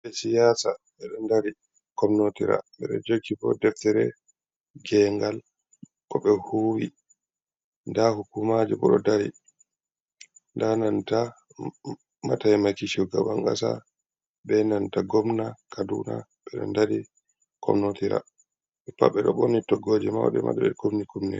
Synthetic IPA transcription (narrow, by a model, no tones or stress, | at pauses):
bɛsijaːsaɓɛɗɔndaɾi | kɔmnotiɾa̰ɓɛɗɛ̰d͡ʒoɡːibɔ̰dɛftɛɾɛ̰ | ɡɛŋɡal | kɔɓɛhuːwi | ndahukumad͡ʒuɓɔɗɔdaɾi | ndananta | mataɛmakiʃuɡabaŋɡasa | ɓɛnantaɡomnakadunaɓɛɗɔ̰ndaɾi | kʰɔ̰mnotiɾa̰ | ɓɛpa̰ɓɛɗɔɓonitɔɡːoːd͡ʒɛma̰wɗɛma̰ɗɛɓɛɡomnikumnɛ̰